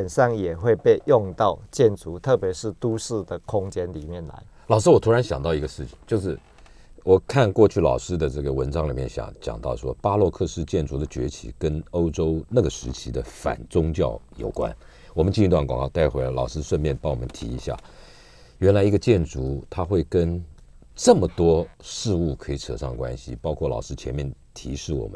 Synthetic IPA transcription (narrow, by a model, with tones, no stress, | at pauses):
ə˨˩nʂɑ˥˩ŋjɛ˨˩xwe˥˧ɪpe˥˧ɪjʊ˥˧ŋt̪ɑ˥˧ʊt͡ɕjɛ˥˩nt͡su˧˥t̪ʰɤ˥˩pjɛ˧˥ʂɻ̩˥˩t̪u˥˦ʂɻ̩˥˩d̪ə˩kʰʊ˥ŋt͡ɕjɛ˥nli˨˩mjɛ˥˩nla̰˧˦ɪ | lɑ˨˩ʊʂ̬ɻ̩˥wɔ˨˩t̪ʰu˥ɻa˧˦nɕjɑ˨˩ŋt̪ɑ˥˩ʊi˧˥ɡə˧ʂɻ̩˥˩t͡ɕʰi̥˨˩ŋt͡ɕjo˥˧ʊʂ̬ɻ̩˥˩ | wɔ˨˩kʰa˥˧nkwɔ˥˧t͡ɕʰy˥˩lɑ̰˨˩ʊʂɻ̩˥d̪ə˨ʈ͡ʂɤ˥˩ɡə˩wə˧˥nʈ͡ʂɑ˥ŋli˨˩mjɛ˥˩nɕjɑ̰˨˩ŋt͡ɕjɑ̰˨˩ŋt̪ɑ˥˩ʊʂwɔ˥pa˥lwɔ˥˧kʰɤ˥˧ʂɻ̩˥˧t͡ɕjɛ˥˩nt͡su˧˥d̪ə˨t͡ɕɥɛ̰˧˥t͡ɕʰḭ˨˩kə˥no˥ʊʈ͡ʂo˥ʊna˥˩ɡə˩ʂɻ̩˧˥t͡ɕʰi˧˥d̪ə˧fa̰˨˩nt͡sʊ˥ŋt͡ɕjɑ˥˩ʊjo˨˩ʊkwa̰˦˥n | wɔ˨˩mə˦nt͡ɕi˥˧˥t̪wa˥˩nkwɑ̰˨˩ŋkɑ˥˧ʊt̪a˥˩ɪxwe˥la˧˩lɑ˨˩ʊʂɻ̩˥ʂwə˥˧nmjɛ˥˩npɑ˥˩ŋwɔ˨˩mə˧˦nt̪ʰi˧˥i˧˥ɕja̰˥˩ | ɥɛ˧˥nla˧˥ɪi˧˥ɡə˧t͡ɕjɛ˥˩nʈ͡ʂu˧˥t̪ʰa˥xwe˥˩ɪkə˥n | ʈ͡ʂɤ˥˩mə˩t̪wɔ˥ʂɻ̩˥˧u˥˩kʰɤ˧˥i˨˩t͡sʰɤ̰˨˩ʂɑ˥˩ŋd̪ə˩kwa̰˥nɕḭ˨pɑ˥ʊkʰwɔ˥˩lɑ˨˩ʊʂɻ̩˥t͡ɕʰjɛ˧˥nmjɛ˥˩nt̪ʰi˧˥ʂɻ̩˥˩wɔ̰˨˩mə˦